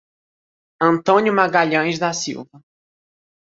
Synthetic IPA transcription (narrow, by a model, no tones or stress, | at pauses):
ɐ̃nt̪õnʲjʊmaɡaʎɐ̃jzd̪ɐsḭwvɐ